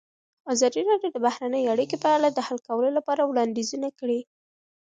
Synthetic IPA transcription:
ɑzɑd̪iɾɑɖjod̪əbahɾanəjeaɽikepəalad̪əhalkawəlolapɑɾawɽɑnd̪ezunakəɽi

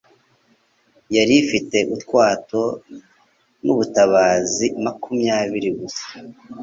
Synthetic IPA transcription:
jaɾifite̞ʔutkwaːto̞ | nuβutaβaːzimakʰumjaːβiɾiɡusḁ

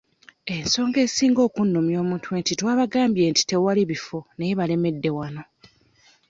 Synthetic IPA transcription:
e̞nso̞ːŋɡe̞ːsiːŋɡo̞ːkunːumjo̞ːmuːntweːntitwaːβaɡaːmbje̞ːnti̥te̞waliβifo̞nejeβale̞me̞dːe̞wano̞

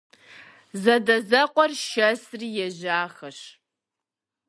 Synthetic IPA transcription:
zɐdɐzɐqʷʼɔrʃɐsriːjɛʑaːxɐɕ

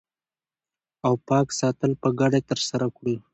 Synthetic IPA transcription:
awpɑksɑt̪əlpəɡaɖet̪əɾsaɾakɽu

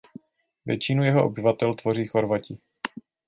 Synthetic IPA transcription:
vjɛ̰t͡ʃɪnujɛɦoʔo̰bɪvat̪ɛlt̪vo̞riːxoɾvacɪ

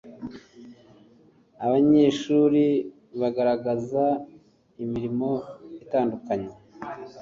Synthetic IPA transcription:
aβaɲe̞ːʃuɾi | βaɡaɾaɡaza | imiɾimo̞itaːndukaɲe

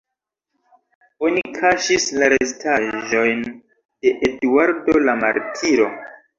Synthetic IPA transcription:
o̞nikʰaʃislaɾestʰaʒo̞jn | d̥e̞ʔeduaɾdo̞lama̰ɾtʰiɾo̞

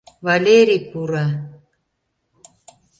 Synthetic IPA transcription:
valeɾipuɾa

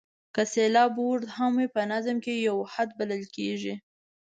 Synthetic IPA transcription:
kəselɑboɾd̪hamwepənazəmkejawhad̪̚baləlkeʒi

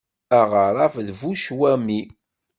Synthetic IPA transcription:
aʁəɾˤɑfðvuʃwæmi

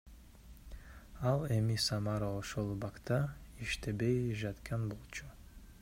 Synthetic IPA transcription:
ɑlˠemisɑmɑɾaoʃolˠbɑkt̪ʰɑiʃt̪e̞be̞jʒɑt̪kʰɑnbo̞lˠt͡ʃʰu

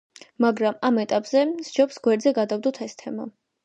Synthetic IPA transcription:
maɡɾamamɛt̪ʼapʼz̥ɛsd͡ʒɔpsɡwɛɾd̪zɛɡad̪avd̪ut̪ʰɛst̪ʰɛma̰

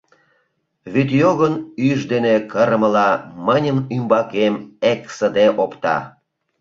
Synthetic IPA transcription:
βyt̪joɣənyʒd̪enekəɾəmə̆lɑmənʲəmymbɑkemeksəd̪eʔopt̪ɑ̰

